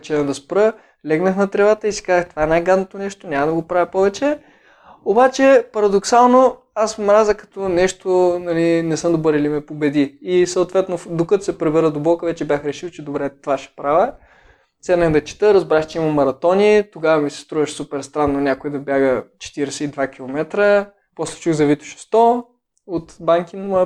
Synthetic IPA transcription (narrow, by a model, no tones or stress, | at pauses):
t͡ʃɛnɐd̪ɐspɾɤ | lʲɛɡnəxnɐt̪ɾɛvat̪əisi̥kazəxt̪ovaɛnajɡad̪not̪onɛʃt̪onʲamɐd̪ɐɡopɾavɛpɔvɛt͡ʃɛ | obat͡ʃɛpɐɾɐd̪oksalˠno | asmɾazəkɐ̥t̪ɔnɛʃt̪onɐlinɛsɤmd̪oboɾilimɛpobɛd̪iːsɐʊt̪vɛt̪nod̪okət̪osɛpɾɛbɛɾəd̪obɔkəvɛt͡ʃɛbʲjaxɾɛʃilt͡ʃɛd̪obɾɛt̪ovaʃɛ̥pɾavə | sɛnəxd̪ɐt͡ʃi̥t̪əɾɐzbɾaʃt͡ʃɛimɐmːɐɾɐt̪ɔnit̪oɡavɐmisɛ̥st̪ɾuvɐʃsupɛɾst̪ɾanːonʲakoid̪ɐbʲjaɡət͡ʃɛ̥t̪iɾɛsɛid̪vakʲilˠomɛt̪ɾə | pɔslɛ̥t͡ʃuxzɐvit̪ʊ̥ʃɛ̥st̪ɔ | ot̪baŋkinɐmɔə